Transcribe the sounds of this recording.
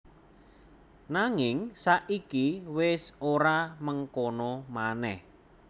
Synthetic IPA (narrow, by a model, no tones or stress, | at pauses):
naŋɪŋsaʔikiwɪsoɾaməŋkonɔmanɛ̰h